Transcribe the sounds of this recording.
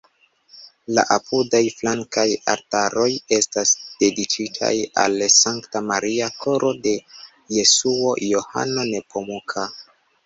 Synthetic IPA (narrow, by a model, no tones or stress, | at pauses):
la̰ʔapʰudajflaŋkaja̰ɾtaɾo̞je̞stasd̥e̞dit͡ʃitʰa̰ja̰lsaŋktamaɾiakʰo̞ɾʔo̞de̞ | je̞suo̞jo̞ha̰no̞ne̞po̞mukʰa